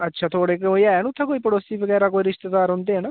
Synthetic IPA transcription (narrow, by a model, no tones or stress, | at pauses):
ətːʃʰaːt̪ʰoːɽeːkoːiaːɛnũːt̪ʰːãːkoːiːpəɽoːsiːbəɡɛːɾaːk̬oːiːɾɪʃt̪ed̪aːɾɦʊ̃nd̪eːɛːnaː